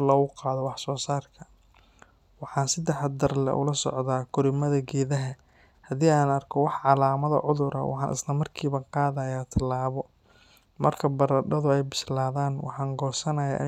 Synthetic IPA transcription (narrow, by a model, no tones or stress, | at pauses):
lɔɣʊqɑːðɔwɑħsɔːsaːrkʰɐ | wɑħɑːnsɐd̪ɛħd̪ɐrlɛ̰ʔʊ̰lɐsɔ̰ʕðaːkʰʊɾɪmɐðɐɡɛːðɐɦɐ | hɐðiːaːnɐrkʰɔwɑħʕɑlaːmɐðɐ̰ʕʊðʊɾʔɐ̰wɑ̰ħɑ̰ːnʔɪ̰slɐmɐrkʰiːβɐqɑːðɐjaːt̪ʰɐlːaːβɔ | mɐ̰rkʰɐbɐɾɐɖɐðʊɛjbɪslaːðaːnwɑ̰ħɑːŋɡɔːsɐnɐja̰ːʔ